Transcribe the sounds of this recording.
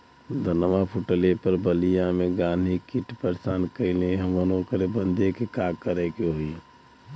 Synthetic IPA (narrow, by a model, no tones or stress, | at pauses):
d̪ʱənmapʰuʈəlepəɾbəlijameɡãːnd̪ʱikiʈpəɾsaːnkəɪleɦəmənoːkɾebə̃nd̪ekekakəɾekeɦoi